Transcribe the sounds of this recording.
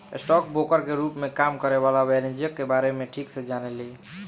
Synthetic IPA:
ḛsʈɔk̚bokəɾkeɾupmekamkəɾebalabɛɾẽnd͡ʒjəkːebaɾemeʈʰiksed͡ʒanɛli

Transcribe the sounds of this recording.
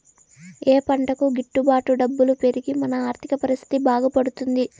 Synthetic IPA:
eːpɐɳʈɐkuɡiʈːubaːʈuɖɐbːulupe̞ɾiɡimɐnɐaːɾt̪ʰikɐpɐɾist̪ʰi̥t̪ibaːɡɐpɐɽut̪und̪i

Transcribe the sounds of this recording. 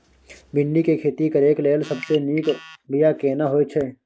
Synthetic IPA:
bɪ̃ɳɖikekʰeːt̪ikɐɾeːkleːlsɐbseniːkbijakeːnaɦoːet͡ʃʰe

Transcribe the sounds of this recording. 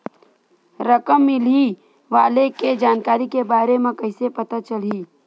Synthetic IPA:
ɾəkəmːɪli | ʋaːleked͡ʒaːnkaːɾikebaːɾemẽkɐɪsepɐt̪at͡ʃəl̤i

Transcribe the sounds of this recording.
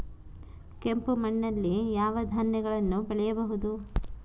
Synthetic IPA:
kempumɐɳːɐlːijaːʋɐd̪ʱanjɛɡɐɭɐnːubɛɭɛjɐbɐɦud̪u

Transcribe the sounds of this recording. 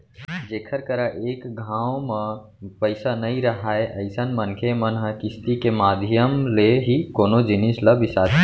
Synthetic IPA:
d͡ʒekʰəɾkəɾaʔekɡʱãõme | pəɪsanəjɾəɦaeʔəɪsənmənkʰemənɦəkist̪ikemad̪ʱjəmleɦikonod͡ʒinisləbisat̪

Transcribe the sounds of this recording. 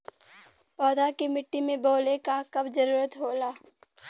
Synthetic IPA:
pɔːd̪akemɪʈːimẽboːlekakɐbd͡ʒəɾuːɾət̪ɦoːlaː

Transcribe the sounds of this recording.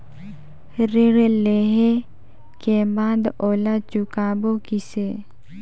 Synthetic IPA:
ɾɪɾleɦe | kebaːd̪oːlat͡ʃʊkaːbokise

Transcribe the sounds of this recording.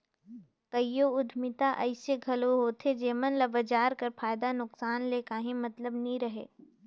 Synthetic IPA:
kɐjjoʊd̪ʱmɪt̪aʔəɪseɡʱɐloɦoːt̪ʰed͡ʒeːmənlɐbəd͡ʒaːɾkɐɾfʰaːjd̪anʊksaːnleːkaːɦĩmɐt̪ləbnɐɦĩɾɐɦḛː

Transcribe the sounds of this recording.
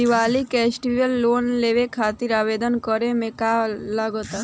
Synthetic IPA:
iʋaːlikɛːsʈiʋəlːoːnleːʋekʰaːt̪iɾaːʋeːd̪ənkəɾemẽkaləɡət̪a

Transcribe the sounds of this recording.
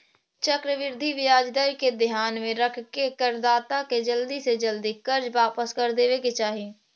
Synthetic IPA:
t͡ʃəkɾəʋɪɾd̪ʱiʋɪjaːd͡ʒd̪əɾiked̪ɪɦaːnmẽɾəkʰkekəɾd̪aːt̪aked͡ʒəld̪ised͡ʒəld̪ikəɾd͡ʒʋaːpəskəɾd̪eːʋeket͡ʃaːɦie

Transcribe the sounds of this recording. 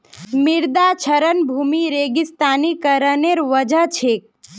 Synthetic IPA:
miɾd̪at͡ʃʰəɾənbʱumiɾeɡist̪aːnikəɾəneɾʋəd͡ʒət͡ʃʰek̚

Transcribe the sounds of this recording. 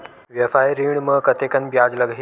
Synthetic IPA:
ʋjɐfaeɾiɳməkət̪ekənbjaːd͡zləɡʱɦi

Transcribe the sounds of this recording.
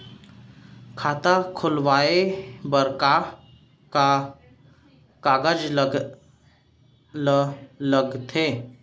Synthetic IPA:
kʰaːt̪akʰʊlʋaːebəɾka | ka | kaːɡəd͡ʒ | lələɡt̪ʰeː

